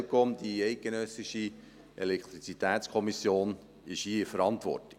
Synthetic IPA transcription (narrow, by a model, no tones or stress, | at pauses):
kɔmd̪iɛɪk̚ɡ̥enœsɪʃi | ʔḛlɛkʰt̪ɾit͡sit̪æːt̪skʰɔmisjoːn | ɪʃiːɪfəɾɑnt̪ʋɔ̰rti̥